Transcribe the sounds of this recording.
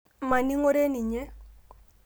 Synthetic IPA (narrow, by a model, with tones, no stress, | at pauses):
ma˨ni˦ŋo˦ɾe˦ni˨ɲɛ˦